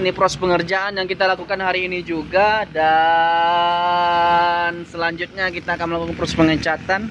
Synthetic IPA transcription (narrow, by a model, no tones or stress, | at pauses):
nipɾɔspəŋərd͡ʒaʔanjaŋkit̪alakukanhaɾiːnid͡ʒuɡada | nsəlaɲd͡ʒʊt̪̚ɲakit̪aːkanməlakukanpɾɔspəŋət͡ʃat̪an